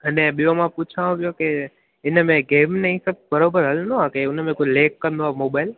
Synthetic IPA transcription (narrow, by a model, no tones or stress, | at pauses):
ɐnɛ̃ɓijõmãput͡ʃʰaʋõʋijoke | ɪnəmẽɡeːmneĩsəb̚bəɾoːbəɾɦəlnõɦãkeʊnmẽkoleːkːə̃nd̪oɦaːmoːbaːɪl